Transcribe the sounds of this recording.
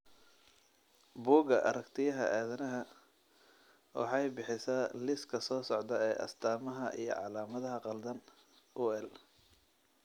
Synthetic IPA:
buːɡɐʔɐ̰ɾɐkt̪ʰɪjɐɦɐ̰ʔɛːðɐnɐɦɐ | wɑ̰ħɑjbɪħɪsɐlɪskʰɐsɔːsɔʕd̪ɐɛːʔɐ̰st̪ʰaːmɐɦɐʔḭjɔ̰ʕɑlaːmɐðɐɦɐqɑld̪ɐn | ʔuːɛl

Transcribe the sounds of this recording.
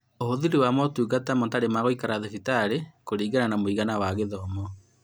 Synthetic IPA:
oɦoðiɾiwamɔtuːɣatamɔtaɾemaɣoikaɾaðɛfitaɾekoɾiːɣananamoiɣanawaɣeðɔmɔ

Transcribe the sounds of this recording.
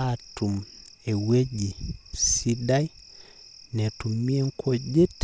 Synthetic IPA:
tumɛwɛɟisidai | nɛtumiɛŋ̩kʰɔɟɛt

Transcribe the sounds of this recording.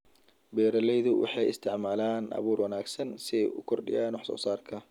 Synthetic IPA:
bɛːɾɐlɛjðʊwʔɑ̰ħɑjɪ̰st̪ʰɪʕmaːlaːnʔɐ̰βuːrwɐnaːɡsɐnsɪɛjṵkʰɔrɖɪ̰jaːnʊħsɔ̰ːsaːrkʰɐ

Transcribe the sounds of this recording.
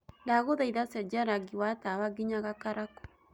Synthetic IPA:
daɣoðaiðasɛd͡ʒaɾaɡiwatawaɡiɲaɣakaɾakɔ̥

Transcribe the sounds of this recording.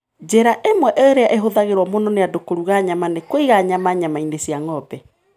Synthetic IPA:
d͡ʒeɾaʔemwɛʔeoɾeaʔeɦoðaɣeɾwɔmonɔneadokoɾuɣaɲamanekwoiɣaɲamaɲamainesjaŋɔbɛ

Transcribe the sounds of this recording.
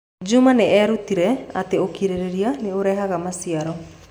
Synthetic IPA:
d͡ʒumaneɛɾutiɾɛa̰t̪eokiɾeɾeɾianeoɾɛɦaɣamasiaɾɔ

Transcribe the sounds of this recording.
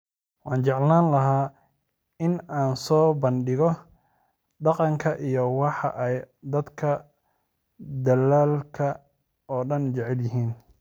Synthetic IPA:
wɑːnt͡ʃɛʕlaːnlɐɦaː | ɪnaːnsɔːbɐnɖɪɣɔ | ɖɑqɑŋkʰɐʔijɔwɑħɑ̰ʔɛj | d̪ɐd̪kʰɐ | d̪ɐlaːlkʰɐ | ɔːɖɐnt͡ʃɛʕɛljɪɦiːn

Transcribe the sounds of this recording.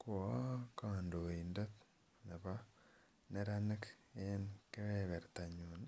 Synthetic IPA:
kwkandoindet | neβa | neɾanek | enkeβeβeɾtaɲun

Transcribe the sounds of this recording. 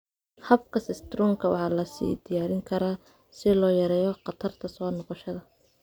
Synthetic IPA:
hɐb̚kʰɐsɪst̪ɾɔːŋkʰɐwɑ̰ħɑːlɐsḭːd̪ɪjaːɾɪŋkʰɐɾaː | sɪlɔːjɐɾɛːjɔqɑt̪ʰɐrt̪ʰɐsɔːnɔqɔʃɐðɐ

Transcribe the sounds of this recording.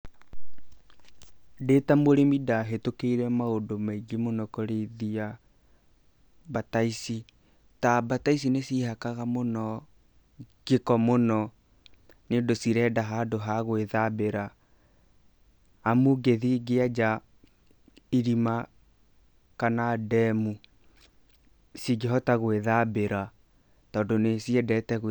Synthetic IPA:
detamoɾemidaɦetokeiɾɛmaodomaiɡemonɔkoɾeðia | bataisi | tabatais̬inesiɦakaɣamonɔ | ɡ̥ekɔmonɔ | neːndosiɾɛːdaɦadoɦaɣweðabeɾa | amuɡeðiɡead͡ʒa | iɾima | kanadɛmu | siɡeɦɔtaɣweðabeɾa | tɔːndonesiɛdɛtɛɣ

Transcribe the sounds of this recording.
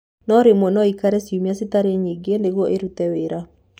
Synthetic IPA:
nɔɾemwɔnɔikaɾɛsiumiasitaɾeɲiɡendeɣwɔʔeɾutɛweɾa

